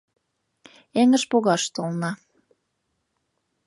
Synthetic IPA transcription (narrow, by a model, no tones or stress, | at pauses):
eŋə̆ʃpoɣɑʃt̪olnɑ